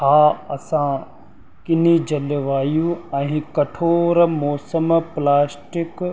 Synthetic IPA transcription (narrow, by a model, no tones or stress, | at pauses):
ɦaːɐsã | kɪnid͡ʑɐlʋaːjũɛ̃ːkɐʈʰoːɾmɔːsəmplaːsʈɪk